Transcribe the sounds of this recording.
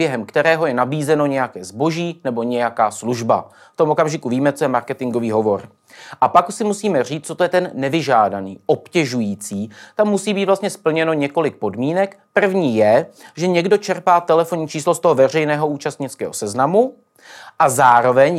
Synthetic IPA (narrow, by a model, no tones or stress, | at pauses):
bjɛɦɛmkt̪ɛɾɛːɦo̞jɛnabiːzɛno̞ɲɛjakɛːzbo̞ʒiːnɛbo̞ɲɛjakaːsluʒba̰ | ft̪omo̞kamʒɪkuviːmɛt͡so̞jɛmaɾkɛt̪ɪŋɡo̞viːɦo̞vo̞ɾ | ʔapaksɪmusiːmɛr̝iːt͡st͡sot̪ojɛt̪ɛnːɛvɪʒaːdanḭːʔo̞pcɛʒujiːt͡siːt̪amːusiːbiːt̪vlast̪ɲɛspl̩ɲɛno̞ɲɛko̞lɪk̚po̞dmiːnɛkpr̩vɲiːjɛʒɛɲɛɡdo̞t͡ʃɛɾpaːt̪ɛlɛfoɲit͡ʃiːslost̪oɦovɛr̝ɛjnɛːɦo̞uːt͡ʃast̪ɲɪt͡skɛːɦo̞sɛznamu | ʔazaːɾo̞vɛɲ